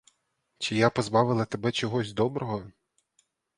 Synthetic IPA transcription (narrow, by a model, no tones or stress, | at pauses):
t͡ʃɪjapɔzbɑʋɪlˠɐt̪ebɛt͡ʃɔɦɔzʲd̪ɔbɾɔɦɔ